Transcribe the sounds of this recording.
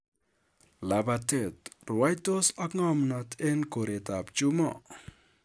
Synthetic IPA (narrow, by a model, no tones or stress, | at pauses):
labatet̪rwajt̪osakŋɔmnat̪ʰenkoɾet̪ap̚t͡ʃumɔ